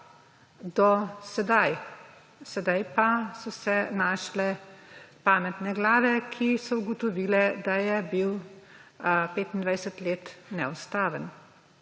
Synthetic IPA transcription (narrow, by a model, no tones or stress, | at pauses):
d̪ɔsɛd̪aj | sɛd̪ajpasɔsɛnaːʃlɛpaːmɛt̪nɛɡlaːʋɛkʰisɔuɡɔt̪ɔʋiːlɛd̪ajɛbiw | peːt̪ind̪ʋajsət̪leːt̪nɛ̰ust̪aːʋən